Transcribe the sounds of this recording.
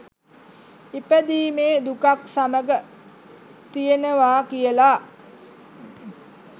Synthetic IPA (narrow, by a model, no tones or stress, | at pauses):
ipəd̪iːmeːd̪ukaksaməɡə | t̪ijenəʋaːkijəlaː